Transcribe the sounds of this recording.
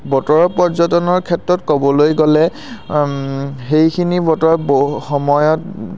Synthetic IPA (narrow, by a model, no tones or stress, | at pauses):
bɔtɔɹɔpɔɹzɔtɔnɔɹkʰɛtɹɔtkobɔlojɡɔlɛ | xejkʰinibɔtɔɹɔboxɔmɔjɔt